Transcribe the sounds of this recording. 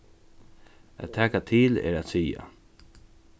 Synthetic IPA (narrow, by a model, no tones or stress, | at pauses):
æ̰t̪t̪ʰːɛːkat̪ʰiːlɛ̰ɾat̪siːa̰